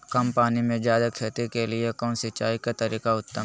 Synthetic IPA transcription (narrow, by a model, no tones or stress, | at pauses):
kɐmpaːnimẽd͡ʒjaːd̪akʰeːt̪ikelɪekɔːnsɪt͡ʃa̰ːikat̪ɐɾiːkaʊt̪ːə